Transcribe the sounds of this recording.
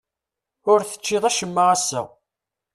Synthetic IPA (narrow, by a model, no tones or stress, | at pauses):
ʊɾθə̥t͡ʃːɪðˤæʃəmːəʁæsːæ̰